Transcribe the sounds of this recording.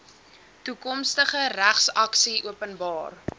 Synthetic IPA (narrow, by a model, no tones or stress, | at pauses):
tukɔmstəχəɾæχsɐksiuəpənbɑːr